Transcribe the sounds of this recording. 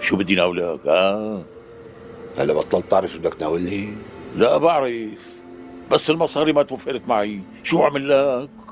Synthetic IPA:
ʃuːbɪd̪ːinawlakʔa | ha̰lːabɑt̪ˤːɑlt̪ːɑʕɾɪfʊd̪akt̪naːwɪlnilaʔbaʕɾɪf | basːɪlmɑsˤɑːɾimat̪wafɪɾt̪maʕi | ʃuːaʕmɪlːak

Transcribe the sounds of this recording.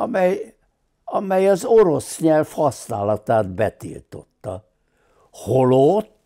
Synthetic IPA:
ɒmɛj | ɒmɛjɒzo̞ɾo̞sɲɛlfhɒsnaːlɒt̪aːd̪bɛt̪ḭlt̪o̞̰t̪ːɒ | holot̪ː

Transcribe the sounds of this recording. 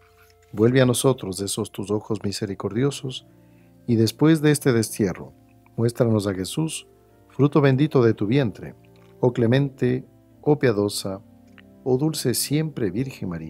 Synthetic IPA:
bwe̞lβeano̞so̞t̪ɾo̞zðeso̞st̪uso̞xozmise̞ɾiko̞ɾðjo̞so̞s | iðe̞spwe̞zðeest̪e̞ðe̞st̪je̞ro̞̰ | mwe̞st̪ɾano̞s̬axe̞sus | fɾut̪o̞βe̞nd̪it̪o̞ðe̞t̪uβje̞nt̪ɾe̞̰ | okle̞mẽ̞nt̪e | opjaðo̞sa | oðulse̞sje̞mpɾe̞βiɾxeŋmaɾia

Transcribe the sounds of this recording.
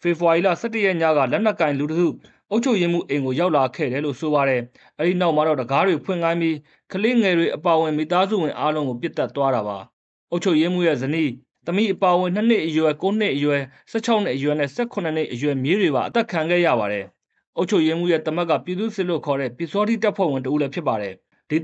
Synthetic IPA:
fepəwaila̰sɛtːəjɛɲä̰ɣä̰lɛn̥ɛkːãɪ̃lutəkṵ | ʔoʊt͡ɕʰoʊjem̥ṵʔẽɪ̃ŋɡojaʊʔlakʰɛ̰ɾɛlo̰soβaɾɛ | ʔɛɾinaʊʔmaɾɔdəɡadwepʰw̃ɪ̰̃ŋãɪ̃mbji | kʰəleŋɛdweʔəpaəwɪ̃mḭt̪azṵwɪ̃ʔalõʊ̃ŋɡop̬jɪt̪ːɛt̪ːwaɾaba̰ | ʔoʊt͡ɕʰoʊjem̥ṵjɛ̰zənḭ | t̪əmḭʔəpaəwɪ̃n̥nən̥ɪʔəjwɛkon̥ɪʔəjwɛ | sɛ̰t͡ɕʰaʊʔn̥ɪ̰ʔəjwɛnɛ̰sɛkʰʊ̃nən̥ḛʔəjwɛmjedweβa̰ʔət̪ɛkʰãŋɡɛ̰jä̰baɾɛ | ʔoʊt͡ɕʰoʊʔjem̥ṵjɛt̪əmɛkːä̰pjid̪ṵsɪʔlo̰kʰɔɾɛ̰pjisɔɾitapʰwɛ̰w̃ɪ̃nt̬əʔulɛpʰjɪp̬ːaɾɛ | d̥i

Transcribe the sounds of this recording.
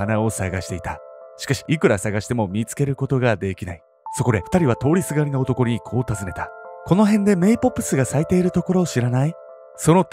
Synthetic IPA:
anao̞saɡaɕi̥t̪e̞it̪aɕi̥kaɕi̥ʔikɯ̟ɾasaɡaɕi̥t̪e̞mo̞mʲit͡sɨ̥ke̞ɾɯ̟ko̞t̪o̞ɡad̪e̞kʲinai | so̞ko̞d̪e̞ɸɯ̟̥t̪aɾʲiβ̞at̪o̞ːɾʲisɨɡaɾinoot̪o̞ko̞ɲ̟ikʰo̞ːt̪azɨne̞t̪ḁko̞no̞ɦẽ̞nd̪e̞me̞ipo̞pːɯ̟̥sɨɡasait̪e̞ːiɾɯ̟t̪o̞ko̞ɾo̞ːɕiɾanai | so̞no̞

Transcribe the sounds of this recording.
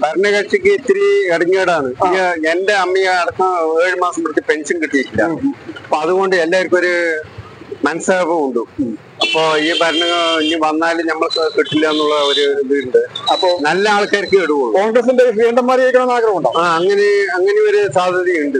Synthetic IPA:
bʱɐɾɐɳɐkɐt͡ɕːikʲːɨit̪ːiɾieɽɐɲːeːɽaːɳɨiende̞ɐmːijɐɐɽɐkːɐeːɻimaːsɐmpeɽt̪ːipe̞nʂɐnkiʈːijikʲːilːɐ̰ɐpːoːɐðuɣo̞ːɳɖɨelːaːiɾikʲːmo̞ɾu | mɐnɐsaːbɨuɳɖu | ɐpːo̞ːiːbʱɐɾɐɳɐŋːɐɭinːiʋɐnːaːlɨɲɐmːɐɭkkiʈːilːɐenːuɭːɐoɾuʋiɾuɳɖɨɐpːonɐlːɐaːɭkːaːɾɐkːɨeɽuʋuɭːkoːŋɡrɐs̬indeɾiːɳɖɐmːaːɾijɐjikʲːɐɳɐnaːɡɾɐʋɐmuɳɖaːaːɐŋːɐneɐŋːɐneo̞ɾusaːd̪ʱjɐðjijuɳɖɨ

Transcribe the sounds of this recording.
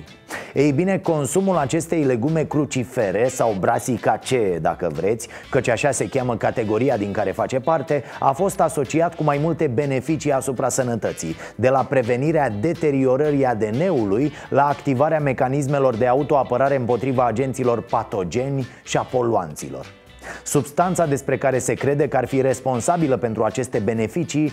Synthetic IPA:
ejbine̞ko̞nsumulat͡ʃe̞st̪e̞jle̞ɡume̞kɾut͡ʃife̞ɾesawbɾasikat͡ʃe̞d̪a̰kəvɾe̞t̪sʲ | kət͡ʃʲaʃase̞kʲaməkat̪e̞ɡo̞ɾijad̪iŋkaɾe̞fat͡ʃe̞part̪e̞a̰fo̞st̪aso̞t͡ʃiat̪kumajmult̪e̞be̞ne̞fit͡ʃiasupɾasənət̪ət̪sḭj | d̪e̞lapɾe̞ve̞niɾead̪e̞t̪e̞ɾio̞ɾəɾiad̪e̞ne̞uluj | laːkt̪ivaɾeame̞kanis̬me̞lo̞rd̪e̞aut̪o̞apəɾaɾe̞ɨmpo̞t̪ɾivaːd͡ʒe̞nt̪silo̞rpat̪o̞d͡ʒe̞nʲ | ʃiapo̞lua̰nt̪sḭlo̞̰r | subst̪ant̪sad̪e̞spɾe̞kaɾe̞se̞kɾe̞d̪e̞kəarfiɾe̞spo̞nsabiləpe̞nt̪ɾuat͡ʃe̞st̪e̞be̞ne̞fit͡ʃi

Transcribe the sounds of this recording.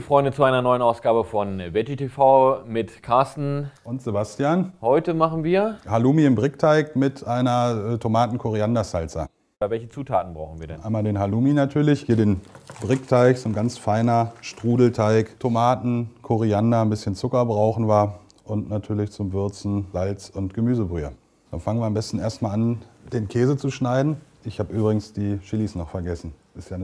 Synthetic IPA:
fʁ̥ɔʏndət͡suaɪnɐnɔʏənaʊsɡ̥aːbəfɔnvɛtitʰefaʊmɪtkʰaɐstn̩ʔʊntz̥ebastijaːnhɔʏtəmaχn̩viːɐhaluːmiɪmbʁɪktʰaɪkmɪtʔaɪnɐɛtʰomaːtn̩kʰoʁiandazalt͡sɐ̰ | vɛlçət͡suːtʰa̰ːtn̩bʁaʊxn̩viːdɛ̰nʔaɪmadeːnɦaluːminatʰyːɐlɪçhiːɐdeːnbʁɪktʰaɪçz̥oːnɡant͡sfaɪnɐʃtʁ̥uːdl̩tʰaɪktʰomaːtn̩kʰoʁiandanbɪsçənt͡sʊkɐbʁaʊxn̩vaɐ | ʔʊntnatʰyːɐlɪçt͡sʊmvʏɐt͡sn̩z̥alt͡sʊntɡ̥əmyːzəbʁyːɐ | d̥anfaŋənviɐambɛstn̩ʔeːɐstmaːlʔand̥eːnkʰɛːzət͡suʃnaɪdn̩ | ʔɪçhaːbəʔyːbʁɪɡŋ̩sd̥iːʃɪliːsnɔχfɛɐɡɛsn̩ | ɪstjaːnə

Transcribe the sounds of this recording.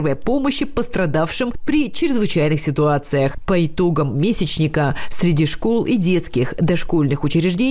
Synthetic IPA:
vəjəpo̞məɕːɪpəst̪ɾɐd̪afʂɨmpɾʲɪt͡ɕɪɾʲɪzvɨt͡ɕæjnɨxsʲɪt̪ʊat̪sɨjəxpəɪt̪o̞ɡəmːʲesʲɪt͡ɕnʲɪkəsʲɾʲɪdʲiʂko̞lˠidʲe̞t̪skʲɪxd̪ɐʂko̞lʲnɨxʊt͡ɕɪɾʲɪʐdʲe

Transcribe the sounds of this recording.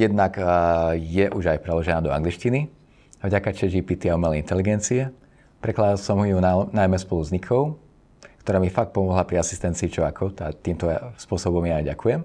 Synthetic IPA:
jɛd̪nak | jɛʔuʒajpɾɛlɔʒɛnaːd̪ɔa̰ŋɡliʃcini | avɟakat͡ʃɛʒiːpiːt̪iaumɛlɛint̪ɛliɡɛnt͡siɛ | pɾɛklad̪alsɔmɦujunnajmɛspɔluzɲikʰɔʊ | kt̪ɔɾaːmifak̚t̪̚pɔmɔɦlapɾiasi̥st̪ɛnt͡siːt͡ʃɔakʰɔʊt̪at̪iːmt̪ɔaspʊɔsɔbɔmjaːjɟakʰujɛm

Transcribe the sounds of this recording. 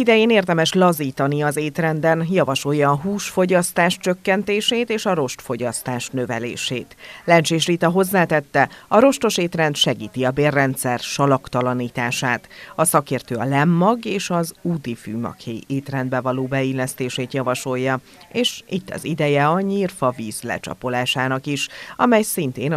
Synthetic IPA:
id̪ɛjeːneːrd̪ɛmɛʃlɒziːt̪ɒniɒzeːt̪rɛnd̪ɛnjɒvɒʃo̞jːɒːɦuːʃfo̞ɟɒst̪aːʃt͡ʃø̞kːɛnt̪eːʃeːt̪eːʃɒɾo̞ʃt̪fo̞ɟɒst̪aːʃnøvɛ̰lḛːʃḛːt̪lɛnt͡ʃeːʃrit̪ɒɦo̞zːaːt̪ɛt̪ːɛɒɾo̞ʃt̪o̞ʃeːt̪rɛnt̪ʃɛɡiːt̪iɒbeːrːɛnt̪sɛrʃɒlɒkt̪ɒlɒniːt̪aːʃaːt̪ɒsɒkeːrt̪øːɒlɛmːɒɡeːʃɒzuːt̪ifyːmɒ̰kheːjeːt̪rɛnd̪bɛvɒloːbɛilːɛst̪eːʃeːt̪jɒvɒʃo̞jːɒ | eːʃit̪ːɒ̰zid̪ɛjɛɒɲiːrfɒviːzlɛ̰t͡ʃɒ̰polaːʃaːnɒkiʃɒ̰mɛjsint̪eːn

